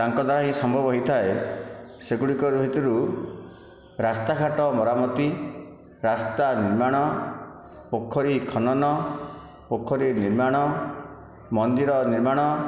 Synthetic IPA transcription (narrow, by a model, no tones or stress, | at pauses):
t̪aŋkɔd̪ʱaɾaɦĩsɔmbʱɔbɔɦojt̪ʰae | seɡuɽikɔɾubʱit̪iɾu | ɾast̪akʰaʈɔmɔɾamɔt̪i | ɾast̪aniɾmaɽ̃ɔ | pokʰːɔɾikʰɔnɔnɔ | pokʰːɔɾiniɾmaɽ̃ɔ | mɔnd̪iɾɔniɾmaɽ̃ɔ